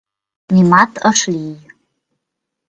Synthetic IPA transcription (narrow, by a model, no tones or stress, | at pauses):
mimatʰəʂlʲij